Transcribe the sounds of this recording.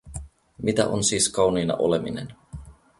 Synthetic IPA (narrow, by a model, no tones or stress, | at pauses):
mit̪æ̰ʔonsiːskɑwniːnɑ̰ʔo̞̰le̞minḛn